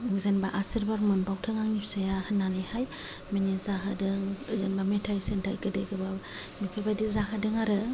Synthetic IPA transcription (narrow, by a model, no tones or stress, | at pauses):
zenbaʔasiɾbaɾmɯnbawtʰɯŋaŋipsajahɯnːanɯjhaj | minizaɦadɯŋzenbametʰajsentʰajɡɯdejɡɯba | mipʰebajdizaɦadɯŋaɾɯ